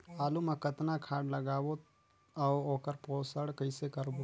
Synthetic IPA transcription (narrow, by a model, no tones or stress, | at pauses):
aːlumɐkət̪nakʰaːɽləɡaːwo | awoːkəɾpoːsəɽkəɪsekəɾbo